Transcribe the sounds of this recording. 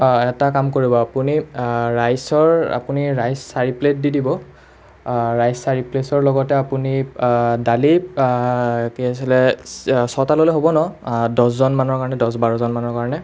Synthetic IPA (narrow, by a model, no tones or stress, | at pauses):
ɛtakamkoɹibɔapuniɹajsɔɹa̰puniɹajsːaɹiplet̚didibɔ | ɹajsːaɹiplesɔɹlɔɡɔtɛapunidali | kiasilɛsɔtaloleɦobɔnɔdɔszɔnmanɔɹkaɹɔnɛdɔsbaɹɔzɔnmanɔɹkaɹɔnɛ